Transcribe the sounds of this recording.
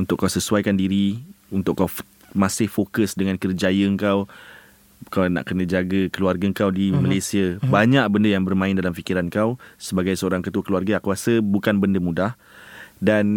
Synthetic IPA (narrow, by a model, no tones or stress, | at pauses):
unt̪ʊʔkːawsəsuajkandiɾiunt̪ʊʔkːaw | mãsɪhfokəsdəŋãnkərd͡ʒajəŋkaw | kawna̰ʔkənə̃d͡ʒaɡəkəluarɡəŋkawdimalajsiəbaɲaʔ̚bəndəjaŋbərmãɪndalamfikiɾankawsəbaɡajsəoɾaŋkət̪uəkəluarɡaakuasəbukanbəndəmũdah | dan